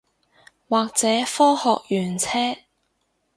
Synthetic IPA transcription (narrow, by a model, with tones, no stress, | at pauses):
waː˨k̚t͡sɛː˨˥fɔː˥hɔː˨k̚jyː˨˩nt͡sʰɛː˥